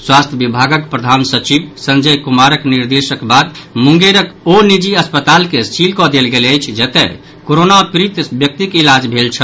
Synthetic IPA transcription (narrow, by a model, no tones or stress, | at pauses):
swast̪ʰjəbibʱaɡək̚pɾəd̪ʱansət͡ʃibsənd͡ʒəjkumaɾəkniɾd̪esəkbad̪muŋɡeɾəkonid͡ʒiəspət̪alkest͡ʃʰilkɔd̪elɡeləjt͡ʃʰd͡ʒət̪ɛ̰ | koɾonapɾit̪bjək̚t̪ikilad͡ʒbʱelt͡ʃʰə